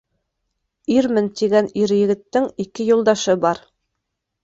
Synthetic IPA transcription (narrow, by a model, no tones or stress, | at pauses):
iɾmɘnt̪iɡæniɾjɘ̆ɡɘ̆t̪ːɘŋikɘjulˠd̪ɑʃɤbɑɾ